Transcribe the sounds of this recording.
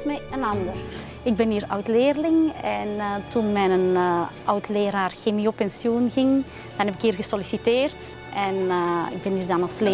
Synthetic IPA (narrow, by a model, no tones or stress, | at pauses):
tmɛənɑndər | ɪɡ̚bɛniːɾœ̰wtleːrlɪŋɛntunmɛnənʔœwtleːɾaːrxemiopɛnsjonɣɪŋ | d̥ɑnɦɛpɪkiːrɣəsɔlisiteːrt | ʔɛnɪ̰ɡ̚bɛniːrdɑnɑlˠsleː